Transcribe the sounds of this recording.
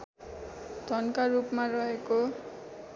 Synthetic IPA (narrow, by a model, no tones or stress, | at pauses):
d̪ʱʌnkaɾupmaɾʌɦeko